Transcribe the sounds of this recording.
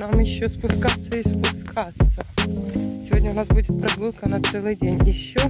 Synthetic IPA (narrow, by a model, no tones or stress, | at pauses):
namjɪɕːospʊskat̪sːəɪspʊskat̪sːə | sʲɪvʲo̞dʲnʲəʊnasbudʲɪt̪̚pɾɐɡ̪ɨlˠkəɐnat̪sɛlˠɨjdʲenʲjɪɕːo